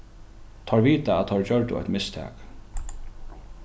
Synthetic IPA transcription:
t̪ʰɔɹviːt̪aæt̪t̪ʰɔɹt͡ɕœɹt̪ʊ̰ɔ̰jt̪mɪst̪ʰɛ̰ːk

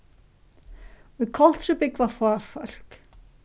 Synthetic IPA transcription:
ɔðkʰɔl̥t̪sʏpɪkvafaːfœl̥k

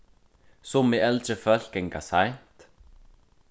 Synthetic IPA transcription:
sɔmɪɛlt͡ɕəfœl̥kɛŋka̰sajn̥t̪

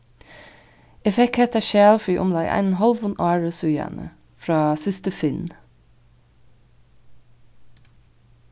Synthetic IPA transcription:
ɛfɛk̚hɛt̪æːʃæːlfyːʔʊ̰mlɑːɡʔæ̰ɪnnhɑlʋʊnʔɑːɹʉsʉjæ̰nʔə̰ | fɹɑːsɪst̪əfɪn

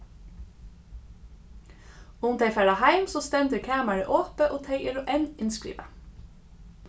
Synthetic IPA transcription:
ʊmd̪eɪfæɽɑhæɪmsoːst̪ɛnd̪ʉːkʰæːmæɹəʔoːpəʔoːt̪ʰeɪəɾʉːʔenɪnskɹḭːʋə̰

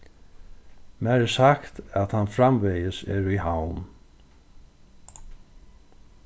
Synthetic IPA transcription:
mæɾɛsakt̪æðhanfɾamvejəsɛ̰ːɾihawm

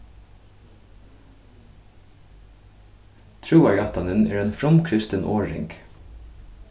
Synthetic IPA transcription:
t̪ʰɹʉːæɹɑt̪ɑnənḛːɹeːnfɾɔmkʰɾɪst̪ənʔoːɹɪ̰ŋɡ̥

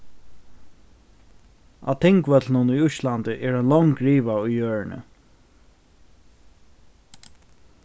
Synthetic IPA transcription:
a̰t̪ʰɛŋkvœt̪lnʊnʊjʊʃland̪ɪʔɛːɹanlɔŋkɹiːʋaʊjjøːɹɪnə̰

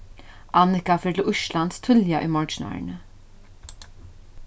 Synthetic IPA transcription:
ʔɑnɪkafɪːʈʰɪlʊʃland̪st̪ʰʏljaʔʏmɔɹt͡ʃnɑ̰ɹɳə

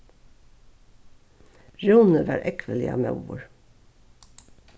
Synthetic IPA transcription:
ɹuːnəʋɑ̰ːɾʔɛkʰʋəlɪ̰ɑ̰ːmɑ̰ʋʊ̰ɹ

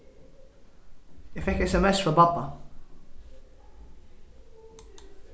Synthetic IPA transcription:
jæfɛkɛsɛmɛsfɔbɑt̪ˤːɑ

